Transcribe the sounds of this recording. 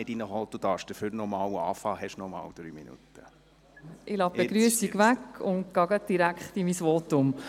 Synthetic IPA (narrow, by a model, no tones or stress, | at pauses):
ɪdinəɦɔtd̥ud̥̪ɑːɾʃd̥əføɾnɔmɑːwɑ̰ːfɑːhɛʃnɔmɑ̰ːwd̥̪ɾy̰ːminṵt̪ə | ʔɪlɑbeɡɾyəsiɡʋækʊntɡ̥ɑɡəd̪̥iɾækχt̪imisʋɔtʊm